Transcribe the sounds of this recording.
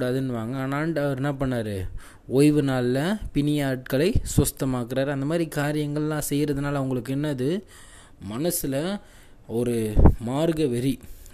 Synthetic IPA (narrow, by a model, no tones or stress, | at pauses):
ɽaːðɯnːɯʋaːŋɡɐːnaːɳɖɐʋɐɾɛnːɐpɐɳːaːɾɯ | ɔːjʋɯnaːllɐpɪnɪjaːʈ̚kɐɭɐɪsʋɐst̪ɐmaːkɪɾaːɾɐnd̪ɐmaːd̪ɾikaːɾɪjɐŋɡɐɭlãːsɛjːɾɐðɯnaːlɐʋʊŋɡɐɭɯkːɯɛnːɐɐðɯ | mɐnɐsɪlɐ | ɔɾɯmaːɾɡɐʋɛɾi